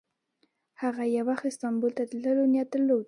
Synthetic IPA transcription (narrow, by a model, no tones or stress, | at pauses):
haɣajawaxt̪ɪst̪ɑmbult̪at̪ləlonjat̪əlow̪